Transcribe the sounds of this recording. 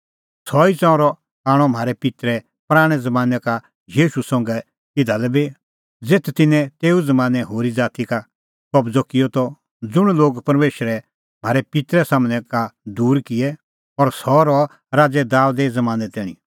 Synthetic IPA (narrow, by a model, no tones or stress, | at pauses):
sɔit͡sɔ̃ʊ̃ɾɔ | kaːɽ̃ɔm̤ʱaːɾɛpɪt̪ɾɛ | pɾaːɽ̃ɛd͡zɐmãːnɛka | jiːʃusɔ̃ŋɡɛ | ɪd̪ʱalɛbi | d͡zeːt̪ʰt̪ɪnɛ̃t̪eːud͡zɐmaːnɛɦoːɾid͡zaːt̪ika | kɔbd͡zɔkɪjɔt̪ɔ | d͡zʊɽ̃loːɡpɐɾmeːʃəɾɛ | m̤aːɾɛpɪt̪ɾɛsaːmnɛkad̪uːɾkɪɛ | ɔɾsɔɾɔ | ɾaːd͡zɛd̪aːʊd̪ɛd͡zɐmãːnɛt̪ɛːɽ̃ḭ